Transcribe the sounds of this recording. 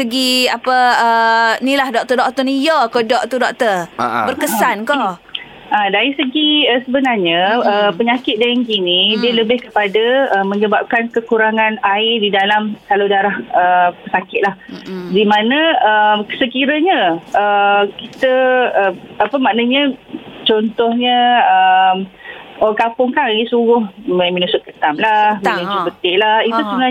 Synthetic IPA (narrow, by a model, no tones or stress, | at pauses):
səɡiapəənilahdɔk̚t̪ɔrdɔk̚t̪ɔnijɔkodɔʔ̚t̪udɔk̚t̪ərbərkəsanko | adaɾisəɡiəsəbənarɲaəpəɲakɪt̪̚dajŋkinidiələbɪhkəpadaəməɲəbap̚kankəkuɾaŋanaɪrdidalamsaludaɾahəpəsakɪt̪̚lahdimanə̃əmsəkiɾəɲəʔəkit̪əəapəmaʔnəɲə̃t͡ʃɔnt̪ɔhɲəəmokapʊŋkaisuɣʊhmaminusʊt̪̚kət̪amlahminusubət̪ɪʔlahit̪usəbəna